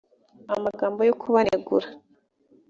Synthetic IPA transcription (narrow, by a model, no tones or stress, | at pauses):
amaɡaːmbo̞jokʰuβaneɡuɾa